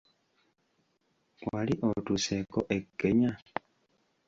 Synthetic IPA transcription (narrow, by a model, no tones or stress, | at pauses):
waliʔotusekoʔe̞kːeɲa